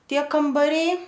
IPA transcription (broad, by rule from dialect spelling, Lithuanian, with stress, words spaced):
ˈtʲiɛ kɐmbɐˈrʲɛɪ